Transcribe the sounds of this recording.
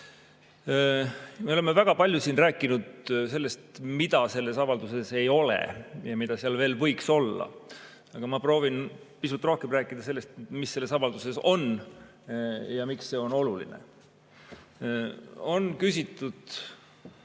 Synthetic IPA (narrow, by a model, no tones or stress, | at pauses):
me̞olemːevæɡ̥ɑpɑlʲjusiːnræːkːˑinud̪̥se̞lːe̞st̪mid̪ɑse̞lːe̞sɑvɑld̪use̞se̞jo̞lḛjɑmid̪̥ɑseɑlve̞ːlvɤ̞jkso̞lːɑ̰ | ɑɡ̥ɑmɑpro̞ːvin | pisult̪ːro̞hkemræːkːˑid̪̥ɑse̞lːe̞st̪misːe̞lːe̞sɑvɑld̪use̞so̞n | jɑmiksːe̞o̞no̞lulḭnḛ | o̞nkys̬it̪ːˑud̪̥